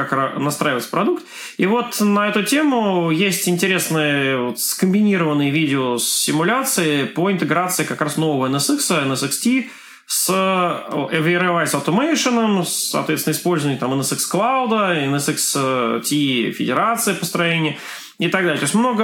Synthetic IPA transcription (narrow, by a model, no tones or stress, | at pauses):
aknɐst̪ɾaɪvət̪sə̥pɾɐd̪ukt̪ | ivo̞t̪nɐɛt̪ʊtʲe̞mʊjesʲtʲɪnʲtʲɪɾʲe̞snɨjəvot̪skəmʲbʲɪnʲiɾəvənːɨjəvʲidʲɪosːɪmʊlʲat̪sɨɪpəɪnt̪ɨɡɾat̪sɨɪkakɾasno̞vəvəɛnɛsɛksəɛnɛsɛkstʲi | s | ɛviɾɛvasɐft̪omejʂɨnəmsːɐ̰t̪vʲet̪sʲnɪspo̞lʲzəvnʲɪt̪amɛnɛsɛksklˠawʊd̪əɛnɛsɛkstʲifʲɪdʲɪɾat̪sɨɪpəst̪ɾɐjenʲɪjə | ɪt̪ɐɡ̚d̪alʲɪt̪osʲmno̞ɡə